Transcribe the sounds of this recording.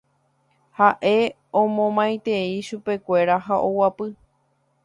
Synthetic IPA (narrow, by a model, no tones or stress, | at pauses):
haʔe̞ | õmõmãj̃t̪e̞iʃupe̞kʷe̞ɾaɦaʔo̞wapɨ